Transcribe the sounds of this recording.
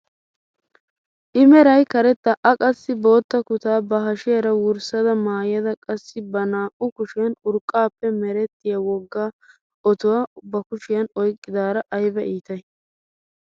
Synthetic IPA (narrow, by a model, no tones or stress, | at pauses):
ʔɪmɛɾɐjkɐɾɛt̪ːɐʔɐkʼɐsːɪbo̞ːt̪ːɐkʊt̪aːbɐɦɐʃɪjɐɾɐwʊɾsɐd̪ɐmaːjjɐd̪ɐkʼɐsːɪbɐnaːʔʊkʊʃɪjɐnʊɾkʼːaːpːɛmɛɾɛt̪ːɪjɐwɔɡːaː | ɔt̪ʊwaːbɐkʊʃɪjɐnɔjkʼːɪd̪aːɾɐʔɐjbɛʔiːt̪ɐj